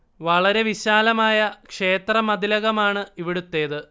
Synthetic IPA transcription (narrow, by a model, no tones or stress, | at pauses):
ʋɐɭɐɾe̞ʋiɕaːlɐmaːjɐkʂe̞ːt̪rɐmɐd̪ilɐɣɐmaːɳɨiʋiɽut̪ːe̞ːðɨ